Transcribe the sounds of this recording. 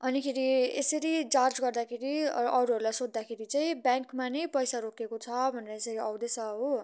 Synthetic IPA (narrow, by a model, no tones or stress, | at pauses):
ʌnikʰeɾiesʌɾit͡sard͡zɡʌrd̪akʰeɾiʌɾuɦʌɾulajsod̪ːakʰeɾit͡saĩbjãŋkmanʌjpʌjsaɾokekot͡sʰʌbʱʌneɾʌesʌɾiʌwd̪esʌɦo